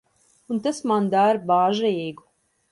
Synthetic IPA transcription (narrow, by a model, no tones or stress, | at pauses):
unt̪asmand̪aɾbaːʒɾiːɡu